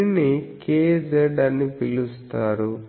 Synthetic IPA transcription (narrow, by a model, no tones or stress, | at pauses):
nikeːd͡ʒeɖɐnːipilust̪aːɾu